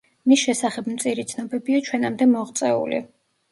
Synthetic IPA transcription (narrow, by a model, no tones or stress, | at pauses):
misʃɛsaχɛbmt̪sʼiɾit̪sʰnɔbɛbiat͡ʃʰwɛnamd̪ɛmɔʁt̪sʼɛṵlḭ